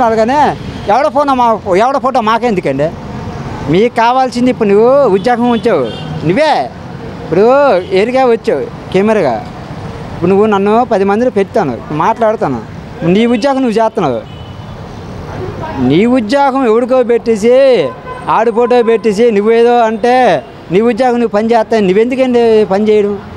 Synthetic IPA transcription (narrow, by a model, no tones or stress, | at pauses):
aːlɐɡaːneːɛʋɐɽoːpoːnamaɛʋɐɽoːpʰoːʈ̬oːmaːkeːnd̪ukɐɳɖeː | miːkkaːʋaːlsind̪ipːuɽunuʋːuud̪jaːɡɐmʋɐt͡ʃːaːwṵnuʋːeː | ipːuɽueːɾikaːʋɐt͡ʃːaːwu | kemɐɾɐɡa̰ː | ipːuɽnuʋːunɐnːupɐd̪imɐnd̪ilupeʈit̪aːnṵḭpːuɽumaːʈlaːɽut̪aːnṵ | pːniːud̪jaːɡɐmnuʋut͡ʃɛːst̪ːɐnːa̰ṵ | niːud̪jaːɡɐmeʋɐɽik̪̬oːp̬eʈːis̬i | aːɽupoːʈ̬oːp̬eʈːis̬inuʋːueːd̪o̞ːɐɳʈe̞ː | niːud̪jaːɡɐmnuʋupɐnit͡ʃɛːst̪ːaːjinuʋːe̞nd̪ukɐɳʈepɐnit͡ʃɛːjɐɽɐm